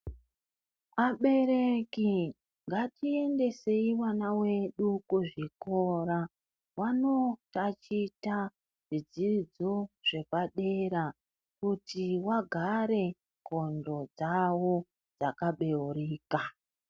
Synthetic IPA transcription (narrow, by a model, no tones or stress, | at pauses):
aɓe̞ɾe̞ki | ŋɡatie̞nde̞se̞iwanawe̞ɗukuʐiko̞ɾa | wano̞tat͡ʃita | ʐid͡ziid͡zoʐ̥e̞paɗe̞ɾa | kutiwaɡʱaɾe̞ | ko̞ndo̞d͡zawo̞ | d͡zakaɓe̞uɾiːka